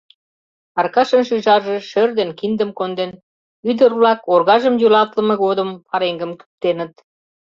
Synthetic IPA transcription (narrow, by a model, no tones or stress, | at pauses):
ɑrkɑʃə̆nʃyʒɑrʒe̽ʃørd̪enkind̪əmkond̪en | yd̪ərβlɑkorɣɑʒəmjulɑt̪lə̆mɤ̆ɣod̪əmpɑɾeŋɡəmky̥p̚t̪enə̆t̪